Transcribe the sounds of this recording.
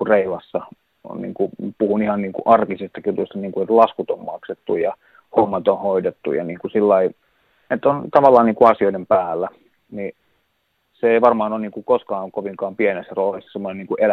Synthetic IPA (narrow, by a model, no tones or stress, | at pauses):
ureilɑsːɑ | o̰nnḭːŋkupuhunihɑnniːŋkṵʔɑrkisest̪ɑkjut̪ust̪ɑniːŋkuet̪lɑskut̪ommɑkset̪ːujɑ | homːɑt̪onhoidet̪ːṵjɑ̰niːŋkusilːɑi | et̪ːˑont̪ɑʋɑlːɑːniːŋkuɑsioinempæːlːæ | ni | seeˑiʋɑrmɑːnonniːŋkukoskɑːŋkoʋiŋkɑːmpienesːæroːlisːɑ̥semːoneniːŋkuʔel